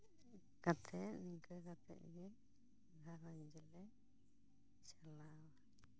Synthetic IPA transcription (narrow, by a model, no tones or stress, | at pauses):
kat̪ʰɛʔniŋkəkat̪ʰɛ̰ʔ̪̚ɡɛ | ɡ̪ʱaɾɔɲd͡ʒɛlɛ | salawa